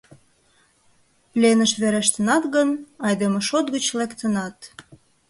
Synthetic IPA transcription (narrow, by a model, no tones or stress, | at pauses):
plʲenəʃβeɾeʃt̪ənɑt̪ɣənɑjd̪emoʃot̪ɣət͡ɕlekt̪ənɑt̪